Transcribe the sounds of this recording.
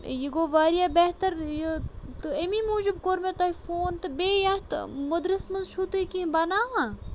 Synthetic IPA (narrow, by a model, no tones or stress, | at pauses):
jiɡoːʋaːɾijaːbeht̪ɐɾjt̪ɨemiːmoːd͡ʒubkoɾmet̪ɐːifoːnt̪ɨbeːjɐht̪mɐd̪ɾɨsmɐnzt͡ʃʰut̪ukĩbɐnaːɦa